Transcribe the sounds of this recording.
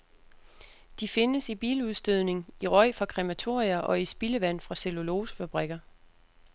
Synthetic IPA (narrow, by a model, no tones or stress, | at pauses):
d̥ife̝nəsib̥iːluðˠsd̥øð̞̰ˠne̝ŋiʁɒ̽ɪ̰fʁɑ̈kʰʁɛmæt͡sʰo̝ɐ̰iɐʔɒ̽isb̥iləʋæn̰fʁɑ̈selo̝lo̝ːsfæb̥ʁɛɡ̥ɐ